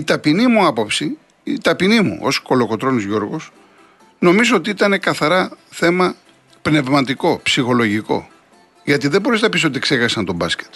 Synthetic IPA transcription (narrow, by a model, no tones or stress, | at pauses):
it̪ɐpinimuɐpopsi | t̪ɐpinimṵʔo̞̰sko̞lo̞ko̞t̪ɾo̞nizʝo̞ɾɣos | no̞mizoot̪iit̪ɐne̞kɐθɐɾɐθe̞mɐ | pne̞vmɐt̪iko̞psixo̞lo̞ʝiko̞̰ | ʝɐt̪iðebo̞ɾisnɐpis̬o̞t̪iksexɐsɐnt̪o̞bɐsce̥t̪